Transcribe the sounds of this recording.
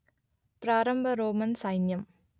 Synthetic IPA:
pɾaːɾɐmbʱɐɾoːmɐnsɐɪnjɐm

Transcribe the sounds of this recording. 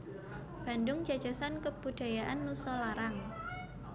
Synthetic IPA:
b̥andʊŋd͡ʒad̥d͡ʒ̥a̤sankəb̥ud̥a̤jaʔanːusɔlaɾaŋ

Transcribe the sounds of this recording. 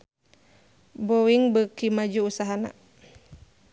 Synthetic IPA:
bowiŋbəkimad͡ʒuːsaɦana̰

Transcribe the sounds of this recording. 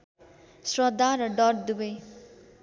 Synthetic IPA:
srʌd̪ʱːaɾʌɖʌrd̪ubʌj

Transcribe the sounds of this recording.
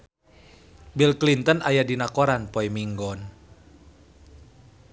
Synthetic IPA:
bilklint̪ənajadinakoɾanpɔimiŋɡɔn

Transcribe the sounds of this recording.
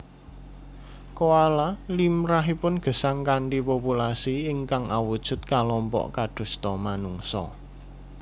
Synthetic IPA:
koalalimɾaɦipʊnɡ̥ə̤saŋkaɳʈipopulasiɪŋkaŋawud̥ʒ̥ʊ̤t̪̚kalɔmpɔ̰ʔkaɖ̥ṳst̪ɔmanuŋsɔ̰

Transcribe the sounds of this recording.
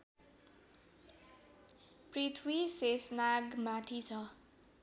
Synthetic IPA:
prit̪ʰwisesnaɡmat̪ʰit͡sʰʌ

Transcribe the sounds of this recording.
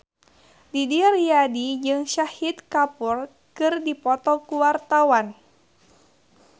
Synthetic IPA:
didiarijadid͡ʒɨŋʃahit̪kapur | kɨrdipɔt̪ɔkuwart̪awan

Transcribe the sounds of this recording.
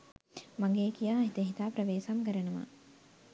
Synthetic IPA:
maŋɡeːkijaːɦit̪əɦit̪aːpɾɐʋeːsamkəɾənəʋa̰

